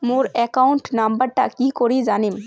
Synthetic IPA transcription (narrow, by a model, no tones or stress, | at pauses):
muɾɛkauɳʈnɐmbəɾʈaʔkikɔɾid͡ʒaːnim